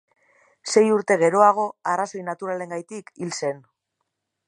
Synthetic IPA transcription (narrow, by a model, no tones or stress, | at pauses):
se̞juɾt̪e̞ɣ̞e̞ɾo̞aɣ̞o̞araso̞jnat̪uɾale̞ŋɡajt̪ikilse̞n